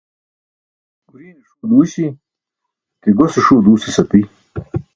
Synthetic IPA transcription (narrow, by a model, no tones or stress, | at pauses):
ɡuɾiːniʂud̪uːɕi | keɡoseʂuːd̪uːsesɐpi